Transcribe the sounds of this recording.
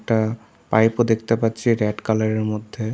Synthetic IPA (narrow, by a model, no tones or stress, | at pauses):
k̚ʈa | pajpod̪ek̚ʰt̪epatːɕʰiɾɛɖkalaɾeɾmod̪ʱːe